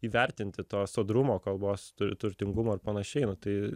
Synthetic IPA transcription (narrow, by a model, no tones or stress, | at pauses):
iːʋʲɛɾʲt̪ʲɪnʲt̪ʲɪt̪oːsoːd̪ɾʊmoːkɐlˠboːst̪ʊt̪ʊɾʲt̪ʲɪŋɡʊmoːɪɾpɐnɐʃʲɛɪnʊt̪ɐɪ